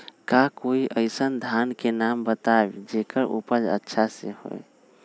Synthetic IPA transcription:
kakoiʔəɪsənd̪ʱankenambət̪aebd͡ʒekəɾʔṵpəd͡ʒə̰tːʃʰaseho̰j

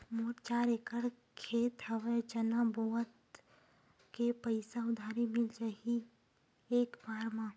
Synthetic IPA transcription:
moːɾt͡ʃaːɾeːkəɽ | kʰeːt̪həʋət͡ʃənaboːət̪ | kepəɪsaʊd̪ʱaːɾemɪld͡ʒaɦi | eːkbaːɾmã

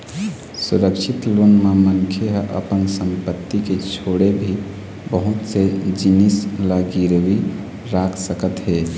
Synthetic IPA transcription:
suɾəkʃʰit̪lonmamənkʰjəɦʔə̰pənsəmpət̪ːiket͡ʃʰoɽebʱi | bəɦut̪sed͡ʒinislaɡiɾəwi | ɾakʰsəkət̪ɦe

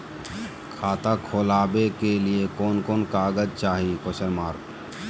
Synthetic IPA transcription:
kʰaːt̪akʰoːlaːbekeliekoːnkoːnkaːɡəd͡ʒt͡ʃaːɦikoʃəɾmaːɾk

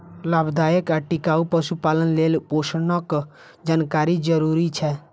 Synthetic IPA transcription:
laːbd̪aːjəkɛʈɪkaːupəʃupaːlənleːlpoːʃnək | d͡ʒaːnkaːɾid͡ʒəɾuːɾit͡ʃʰɛ

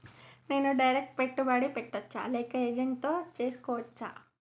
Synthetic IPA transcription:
neːnuɖɐjɾek̚ʈ̚peʈːubaːɽipeʈːɐt͡ʃːt͡ʃːa̰leːkɐeːd͡ʒeɳʈt̪oːt͡ʃeːskoːʋɐt͡ʃːt͡ʃːa̰

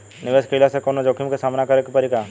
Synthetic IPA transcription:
nɪʋeskelasekonod͡ʒokʰimkesaːmnakɐɾekpɐɾika

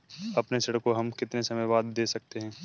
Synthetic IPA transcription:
ɐpnesɐɽəkːoɦɐmkɪt̪nesɐməjʋaːd̪ːeːsɐk̚t̪eɦɛ̃ː

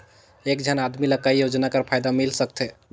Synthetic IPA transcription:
ekd͡ʒʱənad̪miləkːaijod͡ʒnakəɾpʰajd̪amilsək̚t̪ʰe

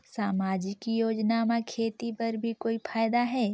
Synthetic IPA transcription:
saːmaːd͡ʒɪkijoːd͡ʒnamakʰeːt̪ipɐɾbʱikoːipʰaːjd̪aɦɛː

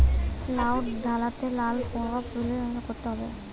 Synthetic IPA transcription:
lawʈd̪ʱalat̪elalpɔɡapɾuleɾɔnakoɾt̪eɦɔbe

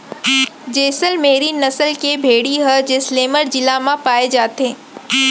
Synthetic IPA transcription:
d͡ʒeːsəlmeːɾinɐsəlkebʱeːɽiɦəd͡ʒɪsleːməɾd͡ʒɪlamãpaːed͡ʒaːt̪eː

